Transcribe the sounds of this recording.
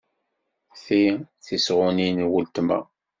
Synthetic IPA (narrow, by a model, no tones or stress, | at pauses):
θiθisʁʊninwəlt̪mə̰